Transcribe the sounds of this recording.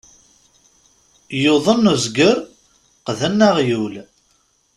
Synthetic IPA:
joðˤənːuzɡəɾ | qðænːaʁjul

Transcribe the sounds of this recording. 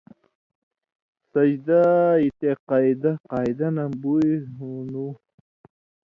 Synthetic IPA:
sad͡ʒd̪ait̪eqɑjd̪aqɑːjd̪anambujɦunu

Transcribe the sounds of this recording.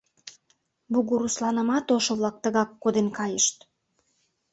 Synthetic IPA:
buɣuɾuslɑnə̆mɑt̪oʃŏβlɑk̚t̪əɣɑkːod̪enkɑjəʃt̪

